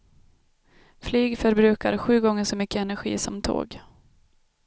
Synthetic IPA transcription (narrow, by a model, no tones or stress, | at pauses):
flyːɡfœɾbɾʉ̟ːkaɾɧʉ̟ːɡɔŋːəʂɔmʏkːəɛnæɾɧḭːsɔmt̪ʰo̰ːɡ